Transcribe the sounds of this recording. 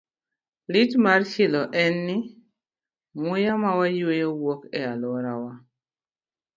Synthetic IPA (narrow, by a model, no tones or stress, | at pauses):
lɪtmart͡ʃɪlɔʔɛnːɪ | mʊjamawajwejowwɔkɛalɔɾawa